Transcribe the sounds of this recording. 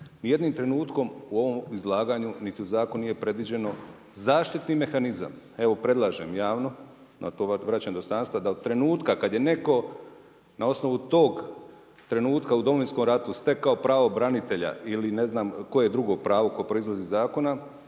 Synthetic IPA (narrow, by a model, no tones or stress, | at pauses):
nje̞d̪niːmt̪ɾe̞nuːt̪ko̞muo̞ʋo̞mizlˠaːɡaːɲunit̪iuzaːkonnije̞pɾe̞d̪ʋid͡ʑe̞no̞ | zaːʃt̪it̪nime̞xaniza̰m | e̞ʋo̞pɾe̞d̪lˠaːʒḛmjaːʋno̞ | na̰t̪oːʋɾat͡ɕaɲed̪ost̪aːnst̪ʋad̪aod̪̚t̪ɾe̞nuːt̪kakad̪je̞ne̞ko̞ | nao̞sno̞ʋut̪o̞ːɡ | t̪ɾe̞nuːt̪kaud̪o̞mo̞ʋinsko̞mɾat̪ust̪e̞kaopɾaːʋo̞bɾanit̪e̞ʎa̰iline̞znaːmko̞jeed̪ɾuɡo̞pɾaːʋo̞ko̞epɾo̞izlazizaːko̞na